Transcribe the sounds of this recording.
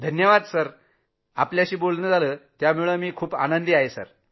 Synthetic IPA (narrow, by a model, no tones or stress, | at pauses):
d̪ʱənjəʋad̪səɾ | apljaɕiːbolnəːd͡zaləːt̪jamuɭəːmiːkʰuːpa̰nənd̪iaɦesə̰ɾ